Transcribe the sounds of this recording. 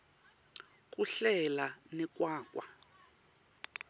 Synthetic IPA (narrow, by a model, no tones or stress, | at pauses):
k̬ʼuɬɛlanɛk̬ʼwaːk̬ʼwa